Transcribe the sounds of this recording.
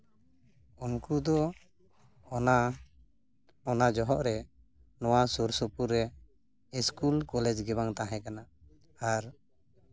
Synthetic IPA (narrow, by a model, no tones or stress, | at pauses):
unkud̪ɔ | na | ɔnad͡ʒɔɦɔʔɾɛ | nɔwasuɾsɔpuɾːɛ | iskulkɔlɛd͡ʒɡɛbaŋt̪ãɦɛ̃kana | aɾ